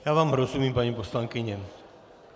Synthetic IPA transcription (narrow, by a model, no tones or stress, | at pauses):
jaʋaːmɦɾɔzumiːmpaɲipɔslaŋkiɲɛ